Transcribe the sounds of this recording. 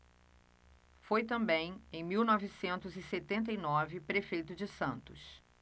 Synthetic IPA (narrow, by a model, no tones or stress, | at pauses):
fojt̪ɐ̃mbẽj̃ẽj̃miwnɔvɪsẽnt̪ʊzɪset̪ẽnt̪ejnɔvɪpɾefejt̪ʊd͡ʒɪsɐ̃nt̪ʊs